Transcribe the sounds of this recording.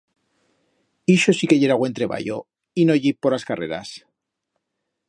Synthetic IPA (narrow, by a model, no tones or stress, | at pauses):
iʃosikeʝeɾaɣwe̞nt̪ɾe̞βa̰jo̰ | inoʝipːoɾlaskare̞̰ɾa̰s